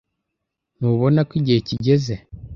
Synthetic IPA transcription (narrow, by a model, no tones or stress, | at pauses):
noβo̞nakiɟeːciɟe̞ze